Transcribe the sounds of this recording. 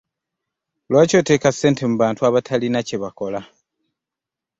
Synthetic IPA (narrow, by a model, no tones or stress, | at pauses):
lwaːco̞te̞ːkase̞ːnte̞muβaːntuaβatʰalinaceβako̞la